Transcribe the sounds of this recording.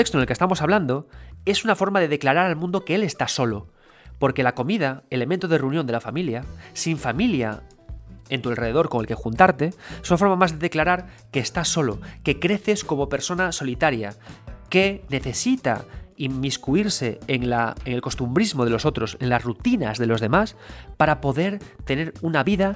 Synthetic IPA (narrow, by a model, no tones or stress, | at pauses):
ekst̪onelkest̪amo̞saβland̪o̞e̞sunafo̞ɾmað̞e̞ð̞e̞klaɾaɾalmũnd̪o̞keele̞st̪aso̞lo | po̞ɾke̞lako̞mið̞aele̞mẽnt̪oð̞ereunjond̪elafamiljasiɱfamilja̰ | e̞nt̪ualre̞ð̞e̞ð̞o̞ɾko̞ŋelkexunt̪aɾt̪e̞esunafo̞ɾmamazðe̞ðeklaɾaɾ | ke̞ːst̪aso̞loke̞kɾe̞θe̞sko̞mo̞pe̞ɾso̞naso̞lit̪aɾja̰ke̞ne̞θe̞sit̪a̰imiskuiɾse̞eŋlaeŋelko̞st̪umbɾizmo̞ð̞e̞lo̞so̞t̪ɾo̞se̞nlasrut̪ina̰zðe̞lo̞zðe̞maspaɾapo̞ðe̞ɾt̪e̞ne̞ɾunaβiða